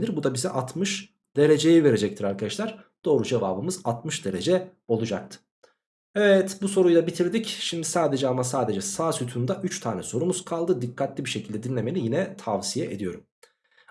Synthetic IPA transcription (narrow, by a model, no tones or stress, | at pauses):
lʲiɾbud̪abizɛʔat̪ʰmɯʃ | d̪̥e̞ɾe̞d͡ʒe̞jive̞ɾe̞d͡ʒɛc̚t̪ʰiɾaɾkʰad̪aʃlˠaɾd̪̥o̞ːɾud͡ʒe̞va̰ːbɯmɯzat̪mɯʃd̪e̞ɾe̞d͡ʒɛ | o̞lˠud͡ʒak̚t̪ʰɯ̥ | evɛt̪buso̞ɾujlˠabit̪ʰiɾd̪icʃimd̪isaːd̪e̞d͡ʒɛamasaːd̪e̞d͡ʒɛsaːsyt̪ʰynd̪aʔyt͡ʃt̪ʰaːnɛso̞ɾumuz̥kʰalˠd̪ɯd̪ikʰːat̪lʲibiʃe̞cʰilʲd̪ɛd̪inlʲe̞me̞lʲijinɛt̪ʰavsijɛʔed̪ijo̞ɾum